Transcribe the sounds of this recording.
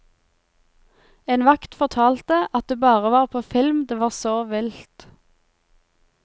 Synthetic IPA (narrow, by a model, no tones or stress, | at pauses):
eːnʋɑkt̪fɔʁt̪ʰɑːlt̪əʔɑt̪̚d̪eːbɑːʁəʋɑːʁpʰoːfɪlmd̪eːʋɑːʁsoːʋɪlt̪